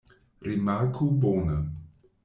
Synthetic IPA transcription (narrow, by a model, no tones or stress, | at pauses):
ɾimakʰubonə